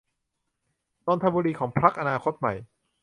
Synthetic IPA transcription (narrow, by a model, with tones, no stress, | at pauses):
ɾoː˧nt̪ʰa˧buː˧ɾiː˧kʰɔː˩˦ŋpʰɾa˦˥k̚ʔa˧naː˧kʰo˦˥t̪̚ma̰˨˩j